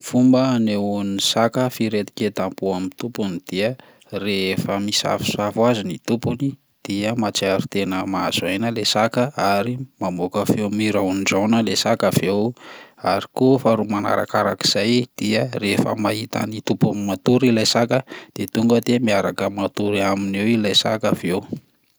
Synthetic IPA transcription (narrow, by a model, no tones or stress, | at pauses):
fumbəneunisakəfiɾet̪i̥ket̪ampuamit̪upunid̪̥iə | refəmisa̰fi̥safazinit̪upuni | d̪̥iəmat͡saɾut̪enəmaaz̥ajnəlesakəaɾimamokavewmiɾawnɖ͡ʐawnəlesakavewaɾikofaɾumana̰ɾa̰kaɾa̰ki̥z̥ajd̪̥iərefə̰maɦit̪a̰nit̪upunimat̪uɾilajsakəd̪̥et̪uŋɡəd̪emiaɾakəmat̪uɾiaminewilajsa̰kavew